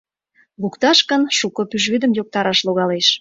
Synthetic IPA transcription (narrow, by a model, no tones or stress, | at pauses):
lukt̪ɑʃkə̆nʃukɤ̆pyʒβyd̪ə̆mjok̚t̪ɑɾɑʃloɣɑleʃ